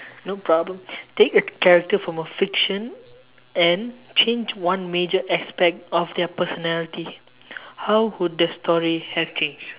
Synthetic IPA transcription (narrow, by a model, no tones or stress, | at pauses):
nopɹɔblə̃mtekəkɛɹək̚təfɹɔ̃məfikʃə̃n | ɛ̃nt͡ʃẽnd͡ʒwãnmed͡ʒəʔɛspɛk̚tɔfdɛpəsɔnɛliti | hawhud̚dəstʰɔɹihɛft͡ʃẽnd͡ʒ